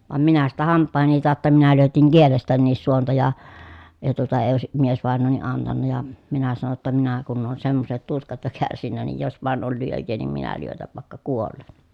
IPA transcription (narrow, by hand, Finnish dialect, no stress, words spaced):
ʋɑm minæ sitæ hɑmpːɑˑeheni tɑˑotːɑ minæ lyøtiŋ kielestænːiːs suontɑ jɑ jɑ tuotɑ eː oˑesi miesʋɑˑenˑoːni ɑntɑnːɑ jɑ minæ sɑno tːɑ minæ kunː oːn semːoset tuskɑt jo kærsinːæ niːj jos ʋɑˑen ol lyøjˑeː niːm minæ lyøtæʋ ʋɑˑekːɑ kuolːen